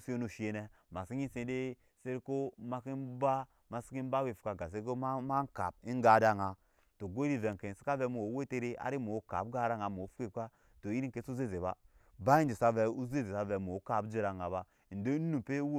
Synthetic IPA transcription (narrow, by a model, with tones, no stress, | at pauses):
si˦o˦nu˨ʃe˦ne˦ma˨si˦ɲi˦sẽ˨˦de˦ | se˦ɾko˦ma˦ki˦nba˦ | ma˦si̥˦ki˦m˦ba˦we˨fu̥˨ka˨ɡa˨s̬e˦ɾo˦ma˦ma˦ŋ˦ka̰˨p̚i˦ŋ˦ɡa˨˦da˦ŋa˨ | to˨ɡo˦ɾi˦ve˨ŋke˨si̥˦ka˦vɛ˧˦mu˨o˨˦we˦te˦ɾe˦a̰˨˦ɾi˦mo˨o˦ka̰˨pɡa˦ɾa˦ŋa˨mo˨o˨˦fu˦ke˦ka˦ | to˨i˦ɾi˦ŋke˨˦su˦ze˦ze˨ba̰˦ba˦i˦nd͡ʒi˨sa˦vɛ˨u˦ze˦ze˨sa˨vɛ˨mo˨˦ka˨bd͡ʒe˦ɾa˨ŋa˨ba˦ | i˨n˨do˦n˦nu˨pe˦w